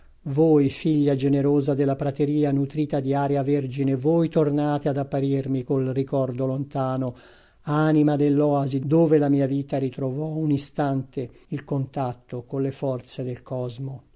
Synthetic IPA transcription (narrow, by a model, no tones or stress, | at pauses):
vojfiʎːad͡ʒeneɾoːzad̪elːapɾat̪eɾiːanut̪ɾiːt̪ad̪iaːɾjaverd͡ʒinevoːjt̪ornaːt̪ead̪apːaɾirmikolrikɔrd̪olont̪aːno | animad̪elːɔazid̪oːvelamiːaviːt̪aɾit̪ɾovɔunist̪ant̪e | ilkont̪at̪ːokonlefɔrt̪sed̪elkɔzmo